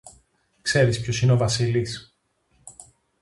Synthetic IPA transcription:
kse̞ɾispço̞sineo̞vɐsilis

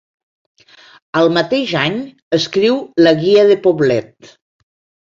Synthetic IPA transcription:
əlˠmət̪eʒaɲ | əskɾiwləɣiəðəpoβlɛt̪̚

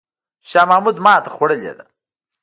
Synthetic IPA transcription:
ʃaːmaːmud̪mɑːt̪ɐxwɐɽɐlḛːd̪a

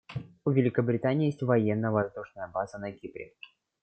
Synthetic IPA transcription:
uvʲɪlʲɪkəbɾʲɪt̪anʲɪjesʲtʲvɐjenːəvɐzd̪uʂnəjəbazənɐkʲipɾʲɪ̰

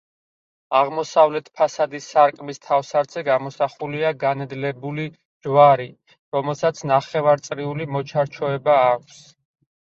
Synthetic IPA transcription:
aʁmɔsavlɛt̪ʰpʰasad̪isaɾkʼmist̪ʰafsaɾt̪zʰɛɡamɔsaχuliaɡanɛd̪lɛbuli | d͡ʒwaɾi | ɾɔmɛlˠsat̪sʰnaχɛvaɾt̪sʼɾiulimɔt͡ʃʰaɾt͡ʃʰɔɛbaːkʷʰs

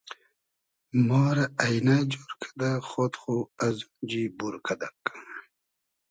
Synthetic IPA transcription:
mɔːɾaːjnad͡ʑoɾkʰḁd̪aχot̪χuazund͡ʑibuɾkʰad̪ak

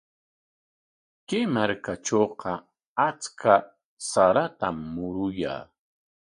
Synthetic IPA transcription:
kɪmaɾkat͡ʃoːqɑ | at͡skʰa | saɾat̪amːʊɾʊja̰ː

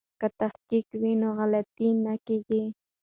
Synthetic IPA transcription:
kat̪ɑχkɪkwinoɢɑlat̪inakɪʎi

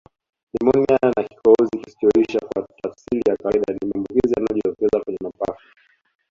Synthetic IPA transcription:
limɔnianaki̥kɔɔziki̥stɔiʃakwatafsilijakaiɗanimambukizijanajɔʄitɔkɛzakwɛɲɛmapafa

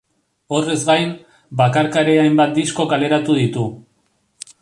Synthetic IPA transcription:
o̞re̞zɡajm | bakaɾkaɾe̞ajmbat̪̚d̪isko̞kale̞ɾat̪uðit̪u

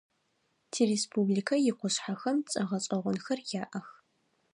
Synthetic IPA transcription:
tʰiːɾespʰublikʰɐjɪqʷʊɕħaxɐmt͡sʼɐʁɐɕʼɐʁʷʊnxɐrjaːʔɐx

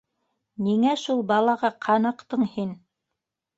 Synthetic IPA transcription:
niŋæʃulˠbɑlˠɑʁɑqʰɑnɑ̆qt̪ɤɴhin

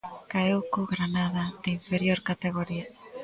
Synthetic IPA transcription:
kaewkoɣɾanaðad̪eiɱfeɾjoɾkat̪eɣ̞oɾia

